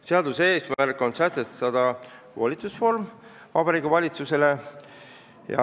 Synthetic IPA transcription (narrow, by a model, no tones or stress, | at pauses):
seɑd̪useːsmærkːˑo̞nsæt̪et̪ɑd̪̥ɑ | volʲit̪susfo̞rm | vɑbɑɾiːɡuvɑlʲit̪suse̞le̞ | jɑ̰